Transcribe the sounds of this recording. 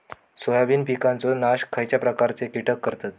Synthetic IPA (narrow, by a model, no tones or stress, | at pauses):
sojabiːnpikãnt͡sonaɕkʰajt͡ɕjapɾəkaɾt͡sekiʈʰəkːəɾt̪at̪